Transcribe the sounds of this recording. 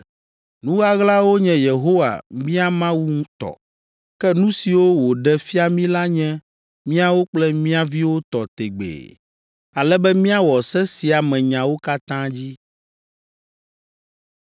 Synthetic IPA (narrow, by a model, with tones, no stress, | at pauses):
nũ˦ɣa˦ɣla˦wo˦ɲɛ̃˨je˨ɦo˦wa̰˨mĩ˦a˦mã˦wu˦ŋũ˦t̪ɔ̰˨ | kɛ˦nũ˦si˨wo˦wo˨ɖɛ˦fi˦a˨mĩ˦la˦ɲɛ̃˦ | mĩ˦a˦wo˦k͡plɛ˦mĩ˦a˦vi˦wo˦t̪ɔ˨t̪ḛ˨ɡ͡bḛ˨ | a˨lɛ˦bɛ˦mĩ˦a˦wɔ˨sɛ˦si˨a˨mɛ̃˨ɲã˨wo˦ka˦t̪ã˦d͡ʑi˦